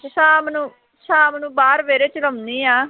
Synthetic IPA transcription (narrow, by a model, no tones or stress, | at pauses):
saːmnũː | sãːmnũːbaːɾʋeːɾeːt͡ʃələmniːaː